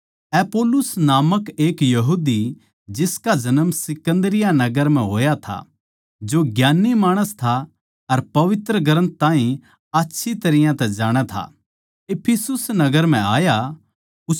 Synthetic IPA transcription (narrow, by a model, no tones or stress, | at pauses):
ɛpoːlʊsnaːməkeːkjɐɦuːd̪i | d͡ʒɪskad͡ʒɐnəmsɪkə̃nd̪ɾɪjanɐɡəɾm̤ɛ̃ɦoːjat̪ʰa̰ | d͡ʒoɡjaːnːimaːɽ̃əst̪ʰa | ɐɾpɐʋɪt̪ɾəɡɐɾə̃nt̪ãːɦĩ | atːʃʰit̪ɐɾɪjãt̪ɛd͡ʒaːɽ̃ɛt̪ʰa̰ | eːpʰɪsʊsnɐɡəɾm̤ɛ̃aːja | ʊ